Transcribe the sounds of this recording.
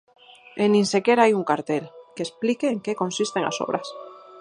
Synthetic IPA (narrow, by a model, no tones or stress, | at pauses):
enːĩnse̞keɾaajuŋkaɾt̪elkesplikeːŋkekõ̞nsist̪eŋa̰so̰βɾʔas